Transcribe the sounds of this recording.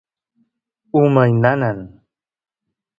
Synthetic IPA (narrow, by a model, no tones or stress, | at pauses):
uməjnanan